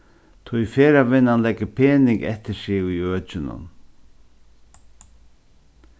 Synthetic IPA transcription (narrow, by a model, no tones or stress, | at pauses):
t̪ʰujfeːɾavɪnːanlɛkːəpʰeːnɪŋkɛ̰ht̪ɪsɪɣujøːt͡ʃɪnʊ̰n